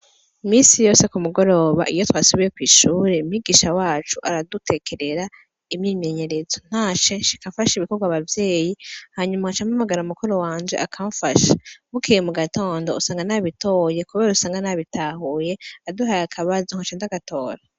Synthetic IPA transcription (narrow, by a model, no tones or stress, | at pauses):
imiːnsijo̞ːsekumuɡo̞ɾo̞ːβa̰ʔijo̞twaːsuβije̞kwiːʃuːɾe̞miɡiːʃawaːt͡ʃuʔaɾadute̞kʰeɾe̞ɾa | imɲiːme̞ɲe̞ɾezo̞n̥hat͡ʃeːʃi̥kaɱfaʃiβikoɡwaβavje̞ːjihaɲumaat͡ʃamamaɡaɾaumukuɾo̞waːnd͡ʒeʔakʰaːɱfaʃḁβukʰijemuɡato̞ːndo̞usaːŋɡanaβito̞ːje̞kuβeɾeusaːŋɡanaβitaːhuːje̞aduɦajakʰaβazuŋhat͡ʃeːndzakatʰo̞ːɾa